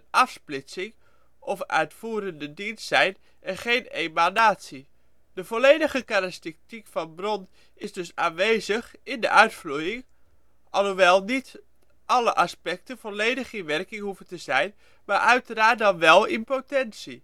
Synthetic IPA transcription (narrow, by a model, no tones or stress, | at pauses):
ɑfsplɪsɪŋ | ʔɔfœ̰ɥtfuːɾəndədinssɛjn | ʔɛnχejnemanaːtsi | d̥əvolejdəχəkaɾastitikfɑnbrɔn | ɪzdɵsaːnʋejzəχɪndə̰ʔœɥtfrujɪŋ | ʔɑlˠhuʋɛlˠnit | ʔɑləʔɑspɛk̚təv̥oleːjdəχɪnʋɛrkɪŋhuvətəzɛjn | maːɹʔœɥtəraːt̚dɑnʋɛlˠɪnpotɛnsi